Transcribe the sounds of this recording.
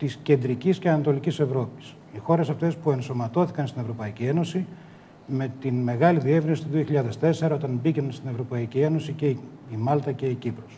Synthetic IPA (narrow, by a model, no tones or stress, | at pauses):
t̪isce̞nd̪ɾicisceɐnɐt̪o̞licise̞vɾo̞pi̥s | ixo̞ɾe̞sɐft̪e̞spue̞nso̞mɐt̪o̞θikɐnst̪ine̞vɾo̞pɐicie̞no̞si | me̞t̪inme̞ɣɐliðie̞vɾinsi̥t̪uðio̞çiʎɐðe̞st̪e̞se̞ɾɐo̞t̪ɐnbicenst̪ine̞vɾo̞pɐicie̞no̞sice̞ | imɐlt̪ɐce̞icipɾo̞s